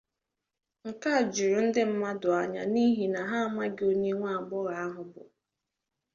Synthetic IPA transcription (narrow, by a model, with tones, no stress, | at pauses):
ŋ̩˨ka˦˨d͡ʒu˨ɾu˨n̩˦dɪ˦m̩˦ma˦dʊ˨a˨ɲa̰˨ni˦ɦi˨na˨ɦa˦ma˦ɡɪ˦o˦ɲe˦ŋʷa˦˨ɡ͡bʊ˦ɣa˨a˦ɦʊ˨bʊ̰˨